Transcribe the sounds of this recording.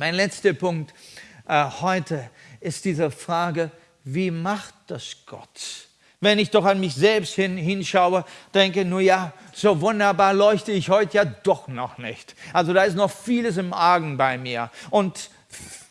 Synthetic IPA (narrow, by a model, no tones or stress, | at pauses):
maɪnlɛt͡stɐpʰʊŋk̚tʔɛhɔʏtʰə | ɪstd̥iːzəfʁ̥aːɡə | viːmaχt̚d̥asɡ̥ɔ̰t | vɛnɪçd̥ɔχanmɪçz̥ɛlpsthɪnɦɪnʃaʊəd̥ɛŋkənuːɐjaː | z̥oːvʊndɐbaːɐlɔʏçtəɪçhɔʏtəjaːd̥ɔχnɔχnɪ̰çtʔalzodaːɪstnɔχfiːləs̬ɪmʔaːɡŋ̩baɪmiːɐʔʊnt